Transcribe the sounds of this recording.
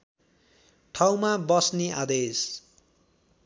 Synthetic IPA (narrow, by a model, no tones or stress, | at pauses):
ʈʰawmabʌsneʔa̰d̪es